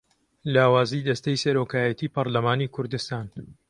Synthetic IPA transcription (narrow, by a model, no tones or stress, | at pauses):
laːwaːzid̪ɐst̪ɐjsɐɾoːkaːjɐt̪iːpɐɾlɐmaːnikʰʊɾd̪ɨst̪aːn